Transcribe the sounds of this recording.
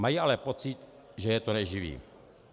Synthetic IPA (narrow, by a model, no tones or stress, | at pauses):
majiʔalɛpot͡sɪt̪ | ʒɛjɛt̪onɛʒivḭː